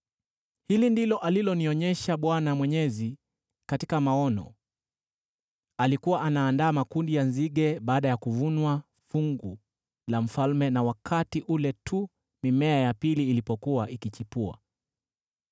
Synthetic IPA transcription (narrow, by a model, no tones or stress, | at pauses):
hilindilɔʔalilɔniɔɲɛʃaɓwanamwɛɲɛzi | katikamaɔnɔ̰ | alikuwaʔanaːndaːmakundijanziɠɛɓaːɗajakuvunwa | fuŋɡu | lam̩falmɛnawakʰatiʔulɛtʰu | mimɛajapiliːlipɔkuwaʔikit͡ʃipua̰